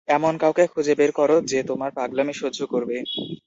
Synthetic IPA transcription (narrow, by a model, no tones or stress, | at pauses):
ɛmonkawkekʰud͡ʑebeɾkɔɾod͡ʑet̪omaɾpɾaɡlamiʃookoɾbe